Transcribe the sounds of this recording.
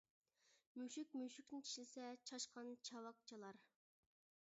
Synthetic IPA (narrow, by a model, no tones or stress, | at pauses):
myʃyk̚ʲmyʃykʲnɪt͡ʃʲʰi̥ʃlɪsɛt͡ʃʰɑʃqɑnt͡ʃʰɑwɑq̚t͡ʃʰɑlˠɑɾ